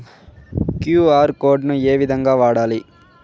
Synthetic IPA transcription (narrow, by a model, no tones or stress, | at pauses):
kjuːaːɾkoːɖnɯ̃eːʋɪðɐŋɡaːʋaːɽaːli